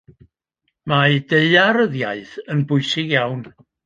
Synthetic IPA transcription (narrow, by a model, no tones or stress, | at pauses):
majdeɨaɾəðjaɨθənbʊɨsɪɡjawn